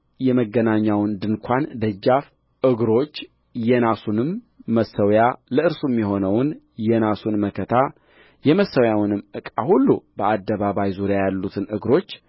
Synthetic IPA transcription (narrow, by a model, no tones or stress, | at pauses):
jɛməɡːənaɲːawɨnd̪ɨnkʷʰand̪əd͡ʒːaf | ʔɨɡɾo̞t͡ʃː | jɛnasunɨmː | əsːəwjaləɨɾsumːjɛɦo̞nəwn | jɛnasunməkʰət̪ʰa | jɛməsːəwjawnɨmːɨkʼa̰hulːubəad̪ːəβaβajzuɾjajalːut̪ʰɨnʔɨɡɾo̞t͡ʃː